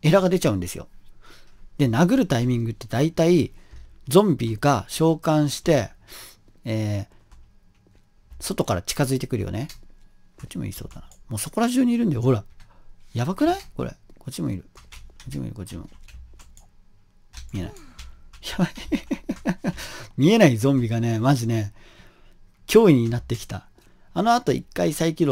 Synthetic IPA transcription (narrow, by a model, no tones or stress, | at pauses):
e̞ɾaɡad̪e̞t͡ɕaɯ̟̃nd̪e̞sɨjo̞̰ | d̪̥e̞naɡɯ̟ɾɯ̟t̪aimʲĩŋɡɯ̟t̪ːe̞d̪ait̪aid͡zõ̞mbʲiːɡaɕo̞ːkãɰ̃ɕi̥t̪e̞ | eː | so̞t̪o̞kaɾat͡ɕi̥kazɨit̪e̞kɯ̟ɾɯ̟jo̰ne | ɡ̥o̞t͡ɕːimo̰ḭːso̞̰ːd̪anamo̞ːso̞ko̞ɾaʑɨːɲ̟iːɾɯ̟nd̪aeoɦoɾajaβakɯ̟naiko̞̰ɾḛɡ̥o̞t͡ɕimo̞ḭɾɯ̟ɡ̥o̞t͡ɕimo̰ḭɾɯ̟ɡot͡ɕimo̰ | mʲiena̰ijabai | mʲie̞naizõ̞mbʲiɡane̞maʑine̞ | kʲʰo̞ːiɲ̟inat̪ːe̞kʲi̥t̪a̰ | ano̞at̪o̞ḭkːaisaikʲiɾo